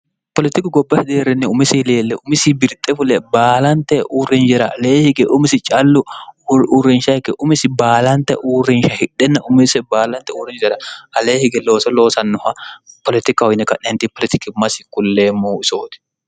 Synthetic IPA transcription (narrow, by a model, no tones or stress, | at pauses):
pɔlɪt̪ɪkɪɡɔbːɐhɪd̪eːɾɛnːɪʊmɪsɪleːlːɛʔʊmɪsibɪɾt̪ʼɛfʊlɛbaːlɐnt̪ɛʔuːrɪnd͡ʒɛɾɐɐleːhɪɡɛʔʊmɪsɪt͡ʃʼɐlːʊuɾːɪnʃɐhɪkːɛʔʊmɪsɪbaːlɐnt̪ɛ̰ʔuːrɪnʃɐhɪᶑɛnːɐʔʊmɪsɛbaːlɐnt̪ɛʊrɪnd͡ʒɛɾɐɐleːhɪɡɛlo̞ːsɔloːsɐnːʊhɐpɔlɪt̪ɪkɐɔjnɛkɐnɛnt̪ɪpɔlɪt̪ɪkɪmɐsɪkːʊlːeːmːuːɪso̰ːt̪ɪ̥